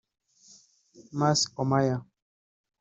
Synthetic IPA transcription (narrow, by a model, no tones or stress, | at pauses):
maskɔmaja